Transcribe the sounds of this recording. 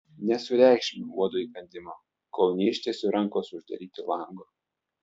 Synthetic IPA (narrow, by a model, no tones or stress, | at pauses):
nʲɛsʊɾʲæˑɪkʃʲɪmʲuuɔd̪oːipʲɐnʲd̪ʲɪmoː | kɔʊnʲiːʃʲt̪ʲeːsʲʊɾɛŋkoːsʊʒd̪ɐ̰ɾʲiːt̪ʲɪlˠɐˑŋɡoː